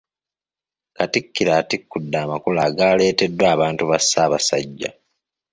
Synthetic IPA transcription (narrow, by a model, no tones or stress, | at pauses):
katikːiɾaːtikːudːaːmakulaːɡaːle̞ːte̞dːwaːβaːntuβasːaːβasaɟːa̰